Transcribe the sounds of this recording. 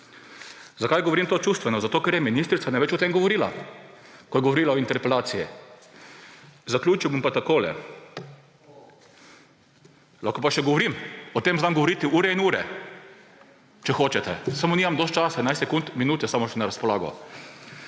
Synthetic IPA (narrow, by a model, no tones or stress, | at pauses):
zakajɡɔʋɔɾimt̪oːt͡ʃuːst̪ʋɛnɔzat̪oːkɛɾjɛminist̪ɾit̪anaɪʋɛt͡ʃɔt̪emɡɔʋɔɾiːla̰ | kɔjɛɡɔʋɔɾiːlaɔint̪ɛɾpɛlaːt̪siji | zaklʲjuːt͡ʃiwbompat̪akoːlɛ̰ | lakɔpaʃɛɡɔʋɔɾimɔt̪eːmzamɡɔʋɔɾiːt̪ɪʔuːɾɛinuːɾɛ̰ | t͡ʃɛxoːt͡ʃɛt̪ɛ̰samoniːmamd̪ɔst̪̚t͡ʃasadnajst̪sɛkunt̪minuːt̪jɛsamɔʃɛnaɾaspɔlaːɡɔ̰